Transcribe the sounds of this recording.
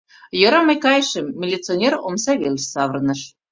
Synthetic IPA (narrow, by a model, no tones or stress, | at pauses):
jɤ̆ɾɑmɤjkɑjʃəmːʲilʲit͡sɨonʲeromsɑβʲelʲɕsɑβərnə̆ʃ